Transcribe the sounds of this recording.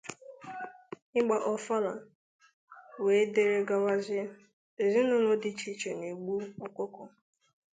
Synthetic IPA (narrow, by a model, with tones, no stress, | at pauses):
ɪ˦ɡ͡ba˨ʔɔ˨fa˦la˨ | we˨˦de˨ɾe˨ɡa˨wa˦ze˦ | e˨zi˦nʊ˦nʊ˦dɪ˦t͡ʃi˦t͡ʃe˨ne˨ɡ͡bu˦ɔ˨kʷʊ˦kʊ˨